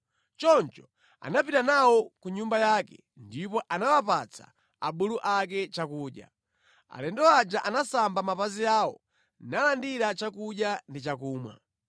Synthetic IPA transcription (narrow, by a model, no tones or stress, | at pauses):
t͡ʃɔnt͡ʃɔ̥ | a̰napitanawɔkuɲumbajaːkɛ̰ | ndipɔʔanawapat͡sʰa̰ | a̰ɓuluʔakɛt͡ʃakuːɗja̰ | a̰lɛndɔad͡ʒaʔanasambamapaziaːɔ | nalandiɾat͡ʃakuɗjandit͡ʃakuːmwa̰